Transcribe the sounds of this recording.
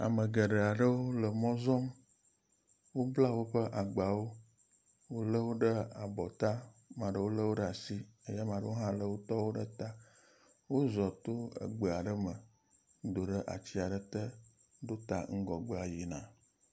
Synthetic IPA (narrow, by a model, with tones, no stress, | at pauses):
a̰˨mə˨ɡə˨ɖə˨a˨ɖə˦wo˦lə˨mɔ̃˦zɔ˦m | wo˦bla˦wo˦ɸə˦ʔa˨ɡ͡ba˨wo˦ | wo˦lə˦wo˦ɖə˦a˨bɔ˨t̪a˦mã˨ɖə˦wo˦lə˦wo˦ɖə˦a˨si˦ə˦ja˦mã˨ɖə˦wo˦ɦã˦lə˦wo˦t̪ɔ˦wo˦ɖə˦t̪a˦ | wo˦zɔ˨t̪o˦ə̰˨ɡ͡bə˨a˨ɖə˦mə˨ | d̪o˨ɖə˦ʔa̰˨t͡ɕi˦a˨ɖə˦t̪ə˦ | ɖo˦t̪a˨ŋ̩˦ɡɔ˨ɡ͡bə˦a˨ji˨nã˨